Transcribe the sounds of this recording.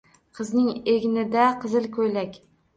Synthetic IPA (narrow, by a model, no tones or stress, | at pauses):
qʰɨznɪŋeɡʲnɪd̪aqʰɨzɪlkʰɵjlakʲ